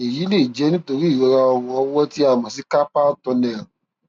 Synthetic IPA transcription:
e˨ji˨˦le˦˨d͡ʒɛ˨˦nĩ˦to˧ɾi˦i˦˨ɾɔ˧ɾa˧ɔ˧wɔ̃˧ɔ˧wɔ˦ti˦a˦˨mɔ̃˨s̬i˨˦ka˦pa˦tɔ̃˧nɛ̃˨ɾã˨

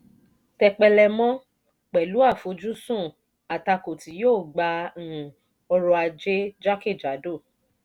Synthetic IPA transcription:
tɛ˧k͡pɛ˧lɛ˧mɔ̃˦ | k͡pɛ˨lu˨˦a˦˨fo˨˦d͡ʒu˦sũ˦˨ | a˨ta˧ko˨ti˨˦joː˦˨ɡ͡bã˧˦˨ | ɔ˧ɾɔ˧a˧d͡ʒe˦d͡ʒa˦ke˦˨d͡ʒa˨˦do˦˨

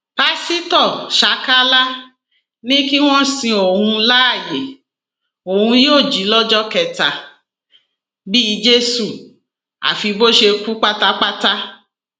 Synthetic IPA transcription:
pa˦si˦tɔ˦˨ʃa˨˦ka˦la˦ | nĩ˦ki˦w̃ɔ̃˦sĩ˧o˨hũ˧la˦a˦˨je˨ | o˨hũ˧joː˦˨d͡ʒi˨˦lɔ˦d͡ʒɔ˦kɛ˧ta˨ | bi˦i˧d͡ʒe˦su˦˨ | a̰˨fi˧bo˦ʃe˧ku˦k͡pa˦ta˦k͡pa˦ta˦

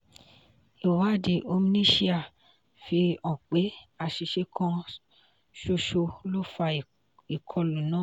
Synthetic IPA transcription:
i˨wa˨˦˨di˧ʔo˧mĩ˦nĩ˦ʃi˦a˨ | fi˧ɔ̃˨k͡pe˨˦a˧˨ʃi˧ʃe˧kʰɔ̃˧ | ʃo˧ʃo˧lo˦fa˧˨ | i˨kʰɔ˧lũ˨nã˨˦

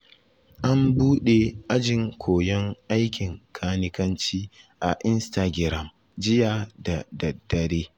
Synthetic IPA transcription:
ʔa˦mbuː˦ɗe˨ʔa˦d͡ʒɪ˨ŋkʷʰoː˨jɔ˦ŋʔa˦jkʲɪ˨ŋkʰaː˦nɪ˦kɐ˦nt͡ʃiː˦ʔa˨ʔɪ˦nsta˨ɡʲɪ˨ɾɐ˦˨m | d͡ʒɪ˦jaː˨da˨dɐ˨dːɐ˨ɾeː˦

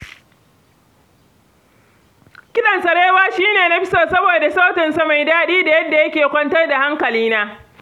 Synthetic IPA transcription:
kʲɪ˦ɗɐ˨nsɐ˨ɽeː˦waː˦ʃiː˦neː˨na˦ɸɪ˦sa˨sɐ˦boː˨da˨saː˦tɪ˨nsa˦ma˨jdaː˦ɗiː˦da˨jɐ˦dːa˨jɐ˦kʲeː˨kʷɔ˦ntɐ˦rda˨ha˦ŋkɐ˨liː˦naː˦

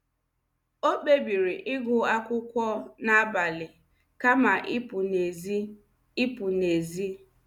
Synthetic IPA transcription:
o˦k͡pe˦bi˨ɾi˨ʔɪ˦ɡʊ˨a˦kʷʊ˦kʷɔ˦na˦a˦ba˨lɪ˨ | ka˦ma˨ʔɪ˦pʊ˨ne˨z | ɪ˦pʊ˨ne˨zi˦

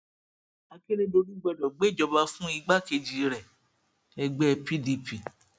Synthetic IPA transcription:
a˧ke˦ɾe˦do˧ɾi˦ɡ͡bɛ˧˨dɔ˨ɡ͡be˨˦˨d͡ʒɔ˧ba˧fũ˦i˧ɡ͡ba˦ke˧d͡ʒi˨ɾɛ˨ | ɛ˧ɡ͡bɛ˦pi˦di˧pi˨

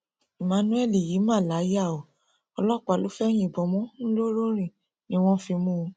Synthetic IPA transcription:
i˨mã˨˧nũ˦ɛ˦˨li˨ji˨˦mã˦˨la˨˦ja˦˨o˨ | ɔ˧lɔ˦˨k͡pa˨lo˦fɛ˦j̃ĩ˦˨bɔ˨mɔ̃˦n̩˦lo˦ɾo˦ɾ̃ĩ˦˨ | nĩ˦w̃ɔ̃˦fi˧mũ˦˧

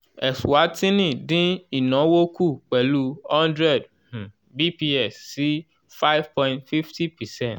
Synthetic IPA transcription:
ɛ˨swa˨˦tĩ˦nĩ˦˨dĩ˦i˨nɔ̃˨˦wo˦kʰu˦˨k͡pɛ˨lu˦hɔ̃˦ndɾɛ˦˨d | h̩˨ | bi˦pi˦ɛ˦˨sːi˦ | fa˦ɪ˦v̥pɔ̃˦j̃ntfi˦fti˦pɛ˨sɛ̃˦˨nt

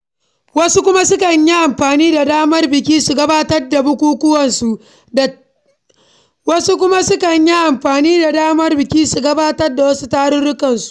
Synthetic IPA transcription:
wɐ˦su˦kʷʊ˦ma˦sʊ˦kɐ˨ɲji˦ʔa˨mɸaː˨niː˦da˨daː˦mɐ˦rbɪ˨k̬ʲiː˦su˨ɡɐ˦baː˦tɐ˦rda˨bʊ˦kʷuː˦kʷʊ˦wɐ˨nsu˨ʔ | wɐ˦su˦k̬ʷʊ˦ma˦sʊ˦kɐ˨ɲji˦ʔa˨mɸaː˨niː˦da˨daː˦mɐ˦rbɪ˨kʲiː˦su˨ɡɐ˦baː˦tɐ˦rda˨wɐ˦su˦taː˦ɽʊ˦ɽʊ˦kɐ˨nsu̥˨ʔ

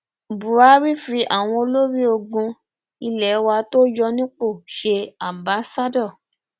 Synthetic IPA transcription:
bu˨ɾa˨˦ɾi˦fi˧ʔa˦˨w̃ɔ̃˧o˧lo˦ɾi˦o˧ɡũ˧ | i˧lɛ˨˦wa˧to˦d͡ʒɔ˧nĩ˦k͡po˦˨ʃe˧ã˨ba˨˦sa˦dɔ˦˨

